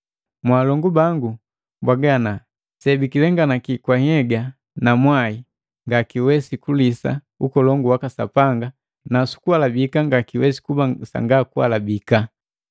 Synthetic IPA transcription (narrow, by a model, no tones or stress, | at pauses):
mwaːlɔŋɡubaŋɡu | bwaɡana | sɛbikilɛŋɡanakikwahɛɡa | namwai | ŋɡakiwɛsikulisa̰ | ukɔlɔŋɡuwakasa̰paŋɡa | nasu̥kuwalabikaŋɡakiwɛsi̥kubasa̰ŋɡakuwa̰labika